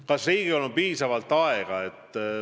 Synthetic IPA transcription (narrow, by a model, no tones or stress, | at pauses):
kɑsriːɡ̥iolompiːsɑvɑlt̪ːɑeɡ̥ɑe̞t̪ː